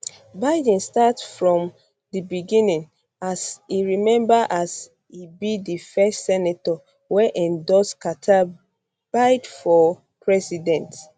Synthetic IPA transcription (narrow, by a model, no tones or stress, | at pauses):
baɪd̃nstatfɹɔ̃m | dibiɡĩnĩŋ | asiɹimɛ̃mbaʔas | ibidifɛstsɛnatɔ | wɛʔɛ̃ndɔskatʰa | b̥aɪdfɔ | pʰɹɛsidɛ̃nt